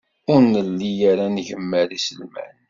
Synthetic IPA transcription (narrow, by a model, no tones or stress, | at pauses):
ʊɾnəlːijaɾanʝəmːəɾisəlmæ̰n